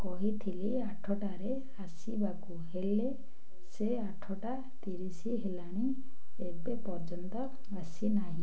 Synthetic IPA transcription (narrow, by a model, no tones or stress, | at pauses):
kɔɦit̪ʰili | aʈʰɔʈaɾe | asibakuɦele | se | aʈʰɔʈa | t̪iɾisiɦelaɽ̃i | ebepɔɾd͡ʒɔnt̪ɔ | asinaɦĩ